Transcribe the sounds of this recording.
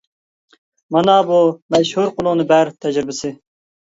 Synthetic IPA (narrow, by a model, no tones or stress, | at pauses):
mɑnɑbumɛʃhuɾqʊlˠʊnɨbæɾt̪ʰɛd͡ʒɾɪbɪsɪ